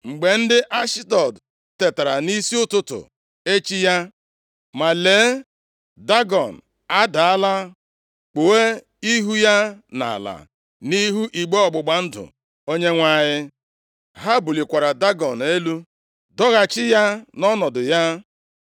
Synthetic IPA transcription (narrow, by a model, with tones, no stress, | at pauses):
ŋ͡m̩˨ɡ͡be˨n̩˦dɪ˦ʔa˦ʃɪ˦tɔ˨d | te˨ta˨ɾa˨ni˦si˦ʊ˦tʊ˦tʊ̰˨ | e˦t͡ʃi˦ja˦ | ma˨leː˨˦ | da˦ɡɔ˨n̩˨ | a˦da˨a˦la˦ | k͡po˨we˦ | i˦ɦu˦ja˦na̰˨la̰˨ | ni˦ɦu˦ʔi˨ɡ͡be˦ɔ˨ɡ͡bʊ˨ɡ͡ba˦n̩˦dʊ̰˨ | o˦ɲe˦ŋʷa˦˨ɲɪ˦ | ɦa˦bu˨li˨kʷa˨ɾa˨da˦ɡɔ˨n˨e˦lu˦ | dɔ˦ɣa˨t͡ʃɪ˦ja˦nɔ˦nɔ˨dʊ˨ja˦